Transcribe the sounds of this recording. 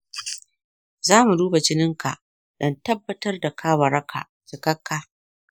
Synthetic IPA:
zaː˦mu˨duː˦ba˨d͡ʒɪ˦nɪ˦ŋka̰˨ʔ | ɗɐ˦ntɐ˦bːɐ˦tɐ˦rda˨kʰaː˦wɐ˨ɾɐ˦kʰa̰˨ | t͡ʃɪ˨kɐ˦kːaː˦

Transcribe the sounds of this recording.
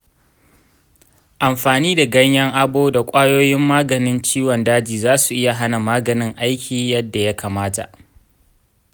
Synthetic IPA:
ʔa˨mɸaː˨niː˦da˨ɡɐ˦ɲjɐ˦ŋʔa˦boː˦da˨kʷʼaː˦joː˦jɪ˦mːaː˦ɡɐ˨nɪ˦nt͡ʃiː˦wɔ˨ndaː˦d͡ʒiː˨zaː˦su˨ʔɪ˦ja˨ɦa˦na˨maː˦ɡɐ˨nɪ˦ŋʔa˦jkʲiː˨jɐ˦dːa˨ja˦kaː˨maː˦ta̰˨ʔ

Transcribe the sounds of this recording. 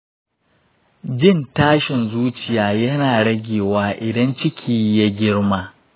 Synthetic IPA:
d͡ʒɪ˦˨ntaː˦ʃɪ˨nzuː˦t͡ʃɪ˨jaː˨jɐ˦naː˨ɽɐ˦ɡʲeː˨waː˦ʔɪ˨dɐ˦nt͡ʃɪ˦kʲʰiː˦ja˦ɡʲɪ˦ɽmaː˦

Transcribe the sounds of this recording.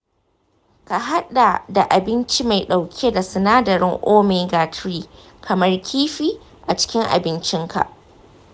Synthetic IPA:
ka˨ɦa˦ɗa˨da˨ʔa˨bɪ˦nt͡ʃi˦ma˨jɗa˨wkʲʰe˦da˨sɪ˨naː˦dɐ˨ɾɪ˦ŋʔoː˦meː˨˦ɡaː˨tɾiː˦ | kʰɐ˨mɐ˦rkʲʰiː˦ɸiː˦ | ʔa˨t͡ʃɪ̥˦kʲɪ˦ŋʔa̰˨bɪ˦nt͡ʃɪ˦ŋkʰa̰˨ʔ

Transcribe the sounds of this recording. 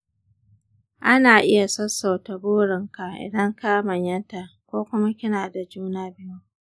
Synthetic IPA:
ʔa˦naː˨ʔɪ˦ja˨sɐ˦sːa˨wtɐ˨buː˦ɽɪ˨ŋka˨ʔɪ̰˨dɐ˦ŋka˦mɐ˨ɲjɐ˦nta˨kʷoː˦kʷʊ˦ma˦kʲɪ˦naː˨da˨d͡ʒuː˦naː˦bɪ˦ju˦

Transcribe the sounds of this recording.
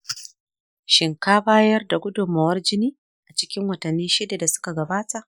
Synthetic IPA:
ʃɪ˨ŋkaː˦baː˦jɐ˦rda˨ɡʷʊ˦dʊ˨mːɐ˨wɐ˦rd͡ʒɪ˦niː˦ | ʔa˨t͡ʃɪ̥˦kʲɪ˦ŋwɐ˨tɐ˨nːiː˦ʃɪ˦da˨da˨sʊ̥˦ka˨ɡɐ˨baː˦ta˨ʔ

